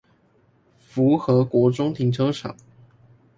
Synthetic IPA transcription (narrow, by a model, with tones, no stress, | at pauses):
fu˨˧˥xɤ˧˥kwɔ˧˥ʈ͡ʂʊ˥ŋt̪ʰi˧˥ŋʈ͡ʂʰɤ˥ʂʰɑ̰˨˩˦